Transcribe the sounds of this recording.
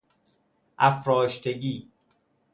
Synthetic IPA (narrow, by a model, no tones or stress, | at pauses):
ʔæfɾɒːʃt̪ʰeɡiː